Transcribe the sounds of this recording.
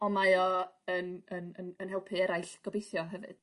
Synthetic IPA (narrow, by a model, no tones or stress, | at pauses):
ɔnmajɔənənənənɦɛlˠpʰɨɛɾajɬɡ̥ɔbejθjɔɦɛvɨ̰d̥